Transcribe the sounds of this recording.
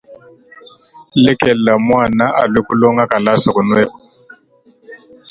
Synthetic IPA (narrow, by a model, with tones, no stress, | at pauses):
lɪ˦kɛ˨la˨mwa˦˨na˦ʔa˨lwe˦kʊ˦lɔ˦ŋa˦ka˨la˦sa˨kʊ˨nwɛ˦kɔ˨